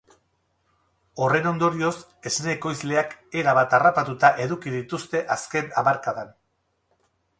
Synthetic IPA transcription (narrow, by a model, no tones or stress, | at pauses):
o̞re̞no̞nd̪o̞ɾio̞s | e̞sneko̞jzle̞ake̞ɾaβat̪arapat̪ut̪aʔe̞ðukið̞it̪ust̪e̞ʔaske̞namaɾkaðan